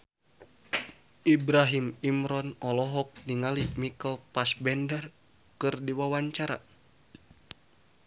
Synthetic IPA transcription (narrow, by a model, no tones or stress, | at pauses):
ʔibɾaɦimimɾɔnɔlɔɦɔk̚niŋalimikəlpasbɛndər | kɨrdiwawaɲt͡ʃaɾa̰